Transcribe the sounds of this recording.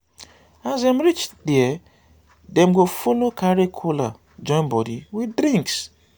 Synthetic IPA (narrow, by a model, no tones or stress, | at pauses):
azem̩ɾit͡ʃdiɛ | dɛ̃m̩ɡofolokʰaɾekʰula̰ | d͡ʒɔ̃nbɔdiwidɾĩŋks